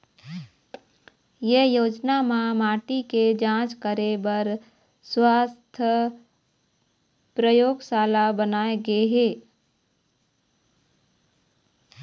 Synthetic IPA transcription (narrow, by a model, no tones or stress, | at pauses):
jejoːd͡ʒnamãmaːʈiked͡ʒãːt͡ʃkəɾebəɾ | swaːst̪ʰə | pɾəjoːɡsaːlabənaːeɡəeɦeː